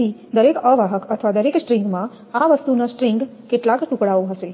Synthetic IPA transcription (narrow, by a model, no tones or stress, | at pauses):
id̪əɾekəʋaɦəkət̪ʰəʋad̪əɾeksʈɾiŋɡmã | aʋəst̪unasʈɾɪŋɡkeʈlakʈukɽaoɦəʃe